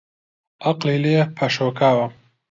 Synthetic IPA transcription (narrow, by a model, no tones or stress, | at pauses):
ɐqlilepʰɐʃoːkʰaːwɐ